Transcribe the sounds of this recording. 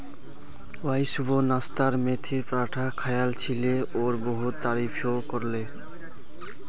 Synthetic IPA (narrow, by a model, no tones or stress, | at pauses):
wajsubonast̪aɾmet̪ʰiɾpɾaʈʰakʰajalt͡ɕʰileoɾboɦut̪ːaɾifʰokoɾle